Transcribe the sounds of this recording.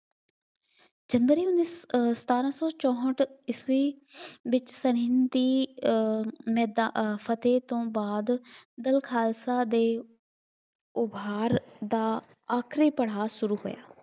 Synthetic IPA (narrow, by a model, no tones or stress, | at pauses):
d͡ʒənʋəɾiːʊnːissə̥t̪aːɾãːsɔːt͡ʃɔ̃ːɦəʈɪsʋiːʋɪt͡ʃsəɾɪnd̪iː | mɛːd̪apʰət̪eːt̪õːbaːd̪d̪əlkʰaːlsaːd̪eː | ʊbaːɾd̪aː | aːkʰɾiːpəɽ̤aːʃʊɾuːɦo̰ːja̰ː